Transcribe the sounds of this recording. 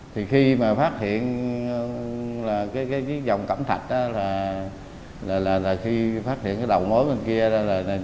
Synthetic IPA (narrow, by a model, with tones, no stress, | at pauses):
t̪ʰi˨˩xi˧maː˨˩faː˦˥t̚hḭ˧˨ən˧ | laː˨˩kaː˨˦jkaː˨˦jzi˦˥zə˨˩wŋ͡mkə̰˧˩mt̪ʰa˨˩t̚ʔaː˨˦laː˨˩ | laː˨˩laː˨˩laː˨˩xi˧faː˦˥t̚t̪ʰhḭ˧˨ənkaː˨˦ɗə˨˩wmə˨˦jmə˨˩nki˧əɗlaː˨˩na˨˩